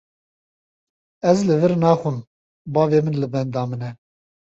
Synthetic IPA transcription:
ɛzlɨvɨɾnɑːxʷɨm | bɑːveːmɨnlɨbɛnd̪ɑːmɨnɛ

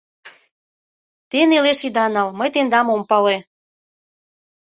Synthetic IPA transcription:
t̪eneleʃid̪ɑnɑlməjt̪end̪ɑmompɑle

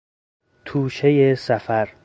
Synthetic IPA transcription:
t̪ʰuːʃejesæfæɾ

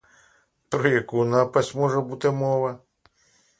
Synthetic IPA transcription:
t̪ɾɔjɐkunapɐsʲmɔʐɛbut̪ɪmɔʋɐ

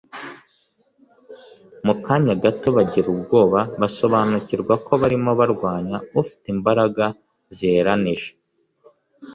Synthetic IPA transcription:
mukaɲaɡato̞βaɟiɾub̚ɡo̞ːβaβaso̞βanuciɾɡwako̞βaɾimo̞βaɾɡwaːɲaufi̥timbaɾaɡa | zeɾaniʒe̥

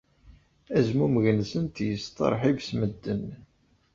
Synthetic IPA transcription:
æzmuməʝnsənt̪jəst̪ɑ̰ɾˤħivsməd̪ːən

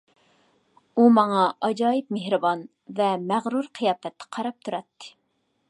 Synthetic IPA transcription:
umɑŋɑɑd͡ʒɑːjip̚mehɾɨbɑn | vɛmæʁɾuɾqʰɨjɑːfɛt̪ːɪ̥qʰɑɾɑp̚t̪ʰuɾɛt̪ːɪ̥

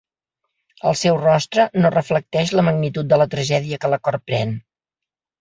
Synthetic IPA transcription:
ə̰lˠsɛwrɔst̪ɾənorəflək̚t̪ɛʃləməɡ̚nit̪ut̪̚d̪ələt̪ɾəʒɛðiəkələkɔɾpɾɛn

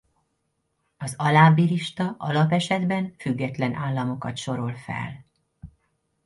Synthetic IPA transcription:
ɒzɒlaːbiliʃt̪ɒʔɒlɒpɛʃɛd̪bɛnfyɡːɛt̪lɛnʔaːlːɒmo̞kɒt̪ʃo̞ɾo̞lfɛ̰l

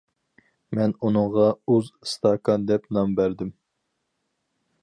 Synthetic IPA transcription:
mɛnunɨŋʁɑuzst̪ɑkʰɑnd̪ɛpnɑmbæɾd̪ɪm

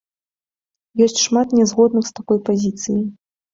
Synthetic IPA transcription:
jɔsʲt͡sʲʂmat̪nʲɛzɣɔd̪nɨxst̪akɔjpazʲit̪sɨjij

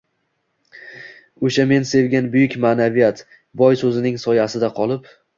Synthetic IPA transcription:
oʃame̞nse̞vɡʲanbʊjɪkʲmaːnavijat̪ | bɒjsɵzɪnɪŋsɒjasɪd̪aqʰɒlˠɪp

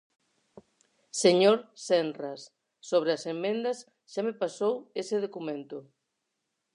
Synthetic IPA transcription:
seɲoɾsɛnrasː | oβ̞ɾeasemːẽnd̪ɐs | ʃamepasoweseð̞okumẽnt̪ʊ

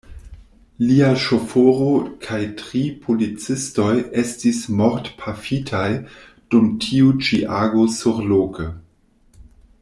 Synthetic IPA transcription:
liaʃofoɾokʰajtʁipʰolit͡sɪstojestismoɾtpʰafitʰaj | d̥umtʰiut͡ʃiʔaɡosuɾloːkə

